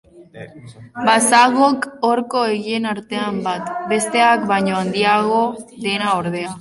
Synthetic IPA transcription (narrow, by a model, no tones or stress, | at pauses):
basaɣokoɾko̞eɣie̞naɾt̪e̞ambat̪be̞st̪e̞akβaɲo̞and̪iaɣo̞ðe̞naoɾðe̞a